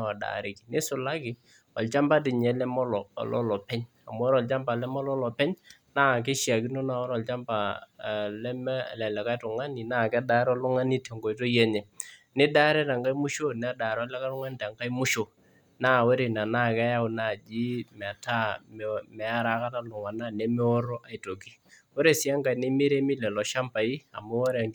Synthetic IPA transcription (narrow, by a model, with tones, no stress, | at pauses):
a˨da̰˨ɾɪ˨ki̥˨nɪ˦sʊ˨la˦kɪ˨ | ɔ˨lt͡ʃa˦mba˦t̬ɪ˨ɲɛ˨˦lɛ˦mɔ˦lɔ̰˨lɔ̰˦lɔ˨pɛ˦ɲ | a˨m˦ɔ˦ɾɔ˨lt͡ʃa˦mba˨lɛ˦mɔ˦lɔ˦lɔ˨pɛ˦ɲ | na˦˨k̬e˦ʃja˨ki˦no˦na˨wɔ˦ɾɔ˨lt͡ʃa˦mba˨ | lɛ˦m˦˨lɛ˨lɛ˨ka˦jtʊ˨ŋa˦ni˨na˦˨kɛ˦da˨˦ɾɔ˦lʊ˦ŋa˦ni˦te˨ŋɡo˨jto˦jɛ˦ɲɛ˨nɪ˦da˦ɾɛ˦ta˨ŋka˦i˦mʊ˦ʃo˦nɛ˨˦a˦da˨ɾa˦lɛ˦ka˦tʊ˦ŋa˦n˦ta˨ŋka˦i˦mʊ˦ʃo˨ | na˦˨wo˦ɾe˨na˨na˦˨kɛ˦ja˦ʊ˨naː˨d͡ʒi˦mɛ˨ta˦mmɛ˨a˦ɾa˨˦ka˦ta˦lʊ˨ŋa˨na˦nɛ˦mɛ˦o˦ɾɔ˦ʔa˨i˨to˨ki˦wo˦ɾe˨sɪ˨a˦ŋka˨ne˦mɪ˦ɾe˦mɪ˦lɛ˨lɔ˨ʃa˦mpa˨i˦a̰˨mo˦wɔ˦ɾ